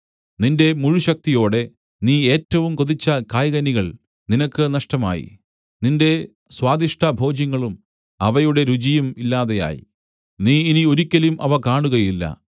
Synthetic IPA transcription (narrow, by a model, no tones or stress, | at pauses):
ninde̞muɻuɕɐk̚t̪ijo̞ːɽe̞ | niːe̞ːtːɐʋumko̞ðit͡ɕːɐkaːjɣɐniɣɐɭ | ninɐkːɨnɐʂʈɐma̰ːjḭ | ninde̞ | swaːd̪iʂʈʰɐbʱo̞ːd͡ʑjɐŋːɐɭum | ɐʋɐjuɽe̞ɾud͡ʑijɐmilːaːðeja̰ːjḭ | niːinio̞ɾikʲːɐlumʔɐʋɐkaːɳuɣɐjilːɐ̰